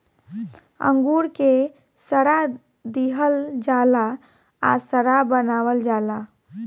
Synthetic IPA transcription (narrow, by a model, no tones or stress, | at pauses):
ə̰̃ŋɡuːɾke | səɽa | d̪iɦəld͡ʒaːla | asəɽabənaːwəld͡ʒaːla